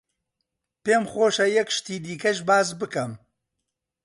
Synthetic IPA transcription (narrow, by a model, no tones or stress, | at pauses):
peːmχoːʃɐjɛkʃt̪iːd̪iːkɐʃbaːzbɨkɐm